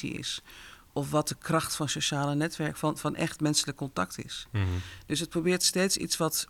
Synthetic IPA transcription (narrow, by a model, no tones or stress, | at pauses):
ḭɪ̰s | ʔɔfʋɔt̚dəkrɑxtfɔnsoʃaːlənɛtʋɛɹkfnfɔnʔɛ̰xtmɛnsələkːɔntaktɪ̰sd̥øsət̚probɪːɹtsteːtsḭtsʋɔt